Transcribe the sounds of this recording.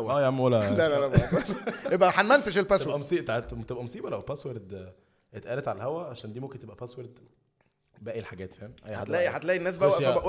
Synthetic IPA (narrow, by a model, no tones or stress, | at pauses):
ʔæːjaʕmwælælælælæ | jebʔæħanmænfeʃelpæsewʔæmosˤiːʔt̪aʕet̪t̪ebʔæmosˤiːbɑlæwpæsweɾd̪ | et̪ʔæːlet̪ʕalæhæwæʕaʃæːnd̪imomkent̪ebʔæpæsweɾd̪ | bæːʔilħaɡæːt̪fiæmʔæjːħaad̪lːʔiħat̪læːʔinːæːs̬bæwæʔfæbæʔ